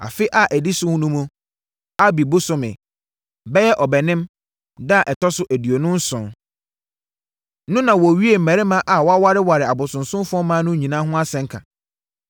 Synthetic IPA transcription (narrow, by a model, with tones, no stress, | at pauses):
a̰˨fɪ˦ʔa˨ʔæ˨di˦sʊ˦hʊ̃˦nũ˦mũ˦ | a˦bi˨bʊ˦sʊ˨mɪ̰̃˨ | bɛ˦jɛ˦ʔɔ˨bɛ˨nɪ̃˦m | da˦˨ʔɛ˨tʰɔ˦sʊ˦ʔæ˨di˨o˨nʊ̃˦n̩˦sʊ̰̃˨n | nʊ̃˦nã˨wɔ˨ɥi˦e˨m̩˨mæ̃˨ɾɪ˦mã˦ʔa˨wɔ˦a˦wa˦ɾɪ˦wa˨ɾɪ˨a˨bʊ˨sʊ̃˨nsʊ̃˦m˦fʊ˦ɔ˦mãː˦nʊ̃˦ɲĩ˨nã˦ɦʊ̃˦a˦sɛ̃˨ŋ̩˦kʰã̰˨